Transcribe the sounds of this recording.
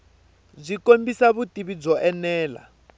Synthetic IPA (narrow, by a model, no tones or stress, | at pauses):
zʷikombisaβutiβid͡zɔʔɛnɛːla̰